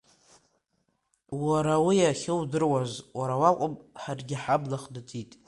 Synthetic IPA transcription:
waɾawijaχʲɪwdɨrwazwaɾawakʷʼʊpʼħarɡʲɪħablaχdatʼitʼ

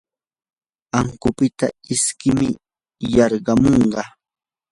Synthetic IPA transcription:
aŋkʊpɪt̪aɪskɪmɪ | jɑɾɢɑmoɴɢɑ

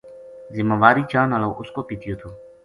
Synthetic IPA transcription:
zɪməːʋaːɾiːt͡ʃaːnəːloːʔʊskoːpiːt̪ʰjoːt̪ʰoː

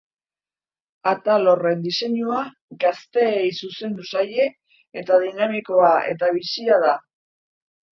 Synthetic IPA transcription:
at̪alo̞re̞nd̪ise̞ɲua | ɡast̪e̞ːjsuse̞nd̪usaje̞ː | t̪aðinamiko̞ae̞̰t̪aβ̞isiaða

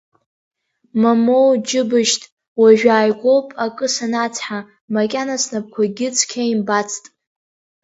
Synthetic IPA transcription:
mamowd͡ʒɪbɨʃtʼ | waʒᶣaːjɡʷo̞wpʼakʼɨsanat͡sʰħa | makʲʼanasnap̚kʷʰaɡʲɪt͡sʰkʲʰaimbat͡sʰtʼ

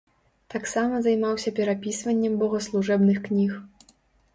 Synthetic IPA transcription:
t̪aksamɐzajmawsʲɐpʲɛɾapʲisvɐnʲːɛmbɔɣɐslˠuʐɛbnɨxknʲix

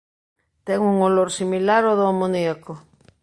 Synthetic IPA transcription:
t̪ɛŋuŋoloɾsimilaɾoðoamoniako

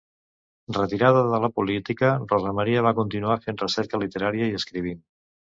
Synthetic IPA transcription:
rət̪iɾaðəðələpulit̪ikərɔzəməɾiəβ̞akunt̪inuafenrəsɛɾkəlit̪əɾaɾiəiəskɾiβ̞in

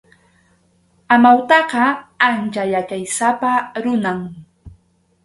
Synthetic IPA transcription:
amawt̪ɑqɑant͡ʃajakajsapaɾʊnaŋ

